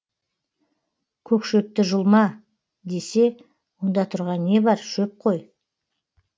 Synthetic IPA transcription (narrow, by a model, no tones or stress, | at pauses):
kʲʰɵkʃɵp̚t̪ɪʒʊlˠmɑ | d̪e̞se̞ | wo̞nd̪ɑt̪ʰʊɾʁɑnːe̞bɑɾʃɵp̚qʰo̞j